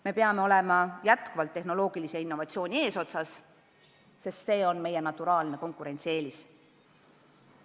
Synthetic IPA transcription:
me̞peɑme̞o̞le̞mɑjæt̪kuvɑlt̪ːe̞hno̞lo̞ːɡ̥iliseinːo̞vɑtsio̞ːnʲie̞ːso̞t̪sɑs | se̞st̪se̞ːo̞nme̞jenɑt̪ːˑuɾɑːlne̞ko̞ŋkuɾe̞nt̪sie̞ːlis

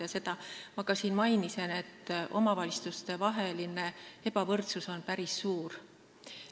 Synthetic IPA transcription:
jɑse̞t̪ɑmɑkɑsiːnmɑjnise̞ne̞t̪ːˑʔo̞̰mɑvɑlʲist̪ust̪e̞vɑɦe̞line̞e̞pɑvɤrt̪suso̞npæɾisːuːr

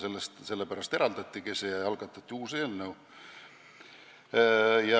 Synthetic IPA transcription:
selːest̪se̞lːepæɾɑst̪eɾɑld̪̥ɑt̪ʲːikesejɑɑlɡ̥ɑt̪ːˑɑt̪ʲːiuːseːlnəu | jɑ

